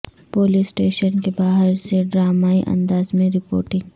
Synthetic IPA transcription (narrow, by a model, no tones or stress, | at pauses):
poːliːsʈeːʃənkebaːɦəɾseɖɾaːmaːiʔɐ̰̃nd̪aːzmẽɾɪpo̰ːɾʈɪ̃ŋɡ